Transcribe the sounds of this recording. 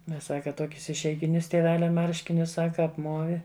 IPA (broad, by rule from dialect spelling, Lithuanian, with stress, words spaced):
ˈmʲɛs ˈsɑːkɐ ˈtuɔkʲʊs ɪʃʲɛɪɡʲɪˈnʲʊs tʲiɛˈʋʲæːlʲɛ ˈmɐrʲʃʲkʲɪnʲʊs ˈsɑːkɐ ɐpˈmuɔʋʲɪ